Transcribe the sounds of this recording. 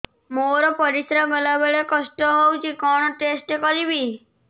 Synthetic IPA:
moɾɔpɔɾisɾamelabeɭekɔsʈɔɦowt͡ʃʰikɔñɔʈesʈekɔɾibi

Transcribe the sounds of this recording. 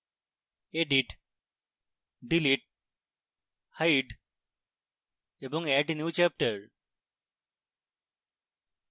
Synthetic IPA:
eɖiʈ | ɖiliʈ̚ | hajɖ | ebõŋeʈnjuːt͡ʃɛp̚ʈəɾɾ

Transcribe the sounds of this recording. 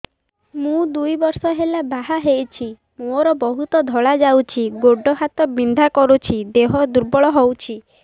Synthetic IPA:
mũd̪ujbɔɾsɔɦelabaɦaɦejt͡ʃʰi | moɾɔbɔɦut̪ɔd̪ʱɔɭad͡ʒawt͡ʃʰiɡoɖɔɦat̪ɔbind̪ʱakɔɾut͡ʃʰid̪eɦɔd̪uɾbɔɭɔɦowt͡ʃʰi

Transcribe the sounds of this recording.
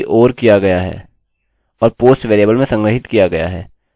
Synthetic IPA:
ʔoːɾkijaɡɐjaɦɛ̰ː | ɔːɾpoːsʈʋeːɾeːbəlmẽsɐ̃ŋɡɾəɦɪt̪kijaɡɐja̰ɦɛː

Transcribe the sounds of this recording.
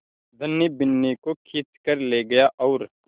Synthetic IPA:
d̪ʱɐnːibɪnːikokʰitkəɾleɡɐjaʔɔːɾ

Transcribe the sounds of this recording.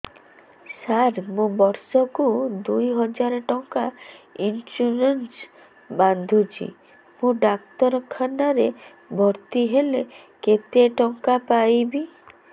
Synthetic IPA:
saɾmũbɔɾsɔkud̪ujɦɔd͡ʒaɾɔʈɔŋkainsuɾens | band̪ʱud͡ʒḭ | mũɖakt̪ɔɾɔkʰanaɾe | bʱɔɾt̪iɦele | ket̪eʈɔŋkapajbi

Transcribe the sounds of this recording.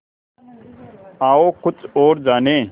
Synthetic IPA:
aːoːkʊt͡soːɾd͡ʑaːneː

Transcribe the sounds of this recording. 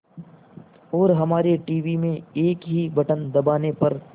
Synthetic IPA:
ɔːɾɦɐmaːɾeʈiːʋimẽeːkɦibɐʈənd̪ɐbaːnepɐɾ

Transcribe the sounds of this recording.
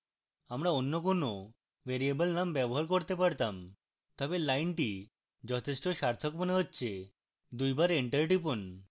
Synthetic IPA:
amɾaonːokono | ʋeɾiebolnambɛboɦaɾkoɾt̪epaɾt̪am | t̪ɔbelajnʈi | d͡ʑɔt̪ʰeʃʈoʃaɾt̪ʰokmoneɦotːɕʰe | d̪ujbaɾeɳʈəɾʈipon

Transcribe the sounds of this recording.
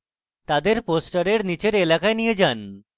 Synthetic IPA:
t̪ad̪eɾposʈəɾeɽnit͡ɕeɾelakajnijed͡ʑan

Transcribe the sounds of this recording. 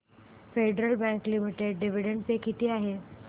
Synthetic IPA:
feɖɾəlbæ̃ŋklimiʈeɖɖiʋiɽəɳɖpekit̪iːaɦe

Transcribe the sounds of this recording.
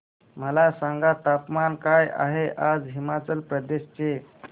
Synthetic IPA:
məlasaŋɡat̪apmankaja̰ɦeʔad͡zɦimat͡səlpɾəd̪eɕt͡ɕe

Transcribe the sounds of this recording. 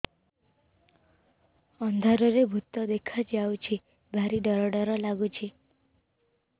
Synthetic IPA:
ɔnd̪ʱaɾɔɾebʱut̪ɔd̪ekʰad͡ʒawt͡ʃʰi | bʱaɾiɖɔɾɔɽɔɾɔlaɡut͡ʃʰi

